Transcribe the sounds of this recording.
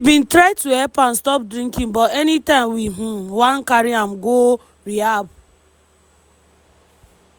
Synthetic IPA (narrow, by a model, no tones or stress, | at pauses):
ibĩntɾaɪtuɛpan̩stɔp̚dɾĩŋkĩm̩bɔtɛnitãmwiɦ̩wankaɾiam̩ɡo | ɾiab